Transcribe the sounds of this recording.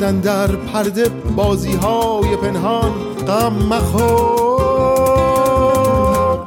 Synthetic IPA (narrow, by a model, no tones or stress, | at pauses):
ænd̪æɾpʰæɾd̪ebɒːziːɦɒːjepʰenɦɒn | qæmːæxo